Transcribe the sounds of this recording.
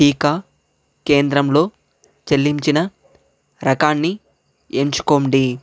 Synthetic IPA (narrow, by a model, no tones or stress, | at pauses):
ʈiːkaː | ke̞ːnd̪ɾɐmlo̞ː | t͡ʃelːiɲt͡ʃinɐ | ɾɐkaːnːi | eːɲt͡ʃu̥koːɳɖi